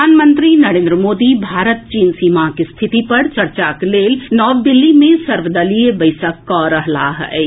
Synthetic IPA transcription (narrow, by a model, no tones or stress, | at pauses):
aːnmə̃nt̪ɾinɐɾẽːnd̪ɾəmoːd̪ibʱaːɾət̪̚t͡ʃiːnsiːmakist̪ʰɪt̪ipɐɾt͡ʃɐɾt͡ʃakleːlnɔːʋd̪ɪlːimẽsɐɾʋəd̪ɐliebəɪsəkːɔɾəɦlaɦɛ̰